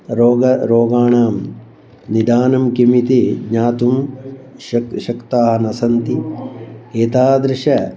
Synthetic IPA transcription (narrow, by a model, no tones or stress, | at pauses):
ɾoːɡɐɾoːɡaːɳaːm | nid̪aːnɐmkimit̪iɡɲaːt̪um | ʃɐkt̪aːɦɐnɐsɐnt̪i | eːt̪aːd̪ɾɪʃɐ